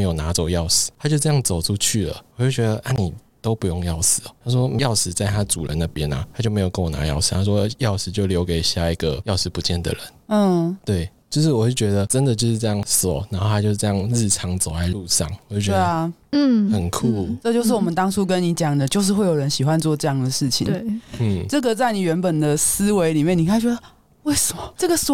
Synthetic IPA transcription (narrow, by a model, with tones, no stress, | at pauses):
e˧˥jo˨˩ʊna˧˥t͡so˨˩ʊjɑ˥˨ʊsɹ̩̥ʰ˨˩˦a˥t͡ɕjo˥˧ʊʈ͡ʂə˧jɑ˥˩ŋt͡so˨˩ʊʈ͡ʂʰu˥˧t͡ɕʰy˥˩lə̰˩ɔ˨˩t͡ɕo˥˩ʊt͡ɕɥɛ˧˦d̪ə˧ʔa˥˩ni˨˩t̪o˥ʊpu˧˥jo˥˧ŋjɑ˥˩ʊsɹ̩˨˩t̪ʰa˥ʂ̬wɔ˥m˧˥jɑ˥˩ʊsɹ̩˧˩t͡sa˥˩ɪt̪ʰa˥t͡su˨˩lə̰˦na˥˩pjɛ˦na̰˨t̪ʰa˥t͡ɕjo˥˩e˧˥o˨˩kə˦ŋwɔ˨˩na̰˧˦jɑ̰˥˩ʊsɹ̩ʰ˨˩a˥ʂ̬wɔ˦˧jɑ˥˩ʊsɻ̩˨˩t͡ɕjo˥˧ʊljo˧˥ʊke˨˩ɪɕja˥˧˩i˧˥ɡə̰˨˩jɑ˥˧ʊsɻ̩˧pu˧˦t͡ɕjɛ˥˩nd̪ə̰˨˩ɻə̰˧˦n̩˥˩t̪we˥˩ɪt͡ɕjo˥˧ʊʂɻ̩˥˩wɔ˨˩t͡ɕwo˥˩t͡ɕɥɛ˧˥d̪ə˧ʈ͡ʂə˦nd̪ə˨t͡ɕjo˥˧ʊʂ̩˥˧ʈ͡ʂə˥˧jɑ˥˩ŋso˨˩ʊna˧˦nxo˥ʊtʰa˥t͡ɕjo˥˧ʊʂ̩˥˧ʈ͡ʂjɑ˥˧ŋɻɻ̩˥˩ʈ͡ʂʰɑ˧˥ŋt͡so˨ʊla˧˥ɪlu˥˧ʂɑ̰˥˩ŋwɔ˨˩t͡ɕo˥˩t͡ɕe˥˧n̩˥˩xə˨˩nkʰu˥˩ʈ͡ʂɤ˥˧t͡ɕjo˥˧ʊʂ̬̩˥˩wɔ˨˩mə˦nt̪ɑ˥ŋsʰu˥k̬ə˦nni˧˥˦t͡ɕjɑ˨˩ŋd̪ə˩t͡ɕjo˥˧ʊʂ̬ɻ̩˥˧xwe˥˩ɪjə˧˦nɕi˨xwa˦nt͡swɔ˥˧ʈ͡ʂɤ˥˧jɑ˥˩ŋd̪ə˩ʂɻ̩˥˩t͡ɕʰḭ˨e˥˩n̩˥˩ʈ͡ʂɤ˥˩ɡə˨t͡sa˥˩ɪni˨˩ɥɛ˧˥npə˨˩nd̪ə˩sɹ̩˥we˧˥ɪli˨˩mjɛ˥˩ni˨˩ka˥˩t͡ɕɥɛ˧˥d̪ə˧ | we˥˩ɪsə˨˩mɔ˩ʈ͡ʂɤ˥˩ɡə˩sɔ˨˩